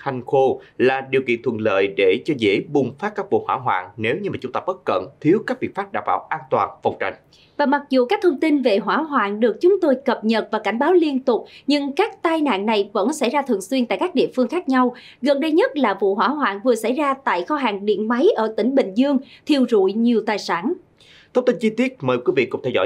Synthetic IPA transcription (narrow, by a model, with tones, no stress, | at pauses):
ha˨˩jŋ̟xo˧laː˨˩ɗi˨˩əwkḭ˧˨ənt̪ʰwə̰˧˨˩nlə̰ː˧˨jɗe˧˩t͡ɕɔ˧zḛ˧˥ɓʊ˨˩ŋ͡mfaː˦˥kaː˦˥k̚vṵ˧˨hwaː˧˥ɦwa̰ː˧˨nne˨˦wɲɨ˧maː˨˩t͡ɕʊ˦ŋ͡mt̪aː˧ɓə˦˥t̚kə̰˧˨nt̪ʰi˨˦əwkaː˦˥k̚vi˨˩faː˦˥p̚ɗa̰ː˧˩wɓa̰ː˧˩wʔaː˧nt̪waː˨˩nfə˨˩wŋ͡mt͡ɕa̰˧˨jŋ̟ | vaː˨˩ma˨˩t̚zu˨˩ka˦˥k̚t̪ʰə˧wŋ͡mt̪i˧nve˨˩ɦwaː˧˩ɦwaː˧˨nɗɨ˨˩ək̚t͡ɕʊ˨˦ŋ͡mt̪o˧jkə˨˩p̚ɲə˨˩t̚vaː˨˩ka˧˩jŋ̟ɓaː˨˦wli˧ənt̪ʊ˨˩k͡p̚ɲɨ˧ŋkaː˦˥k̚t̪aː˧jna̰ː˧˨nna˨˩jvə̰˧˥nsa˧˩jzaː˧t̪ʰɨ˨˩nswi˧ənt̪a̰ː˧˨jkaː˦˥k̚ɗḭ˧˨əfɨ˧əŋxaː˦˥k̚ɲa˧w | ɣə˨˩nɗə˧jɲə˦˥t̚laː˨˩vṵ˧˨ɦwaː˧˩ɦwa̰ː˧˨nvɨ˨˩əsa̰˧˥jzaː˧t̪a̰ː˧˨jxɔ˧ɦaː˨˩ŋɗḭ˧˨ənma˨˦jʔəː˧˩t̪ï˧˩ŋ̟ɓï˧˨ŋ̟zɨ˧əŋt̪ʰi˧˩əwzṵ˧˨jɲi˨˩əwt̪aː˨˩jsaː˧˩n | t̪ʰə˦˥wŋ͡mt̪i˧nt͡ɕi˧t̪i˦˥ət̚məː˨˩jkwi˨˦vḭ˧˨kʊ̰˧˩ŋ͡mt̪ʰɛ˧wzɔ̰˧˩